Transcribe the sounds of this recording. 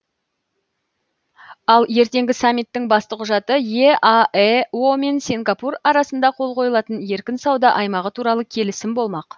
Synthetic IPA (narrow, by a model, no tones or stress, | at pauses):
ɑlˠje̞ɾt̪e̞ŋɡʲɪsamʲːit̪ːɪŋbɑst̪əqʰʊʒɑt̪əje̞ɑeo̞me̞nsʲeŋɡapurɑɾɑsənd̪ɑqʰo̞lˠqʰo̞jəlˠɑt̪ənje̞ɾkʲɪnsɑwd̪ɑʔɑjmɑʁət̪ʰuɾɑlˠəkʲʰe̞lɪsɪmbo̞lˠmɑq